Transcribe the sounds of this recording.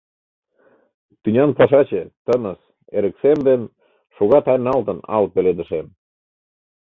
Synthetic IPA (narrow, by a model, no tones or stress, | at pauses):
t̪ynʲɑnpɑʃɑt͡ɕet̪ənəs | eɾə̆ksemd̪en | ʃoɣɑt̪ɑjnɑlt̪ənɑ̰lpeled̪ə̆ʃem